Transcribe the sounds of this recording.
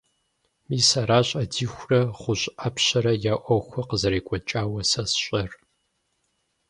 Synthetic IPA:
miːsaɾaːɕʼɐdiːxʷrɐχʷʊɕʼʔɐpɕɐɾɐjaːʔʷɔxʷɐqəzɐɾeːkʷʼɔt͡ʃʼaːwɐsɐsɕʼɐr

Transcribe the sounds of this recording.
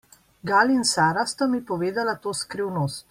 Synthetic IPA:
ɡaːlinsaːɾast̪amipɔʋeːd̪alat̪oːskɾiwnoːst̪

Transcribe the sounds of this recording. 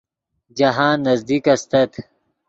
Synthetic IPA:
d͡ʑɐɦãːnːɐzd̪ikɐst̪ɐt̪

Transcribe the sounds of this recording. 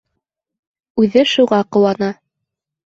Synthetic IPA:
ʉðɘʃuʁɑqŏwɑnɑ

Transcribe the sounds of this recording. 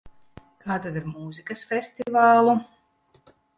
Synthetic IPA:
kʰaːt̪ad̪iɾmuːzikɐsfʲɛst̪ivaːlˠu

